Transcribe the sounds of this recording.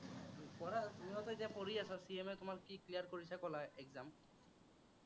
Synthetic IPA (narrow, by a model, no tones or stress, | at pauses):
pɔɹanuɔtɔzapoɹiasɛsiɛmɛtʊmaɹkiklijaɹkoɹisɛkɔlaɛɡzam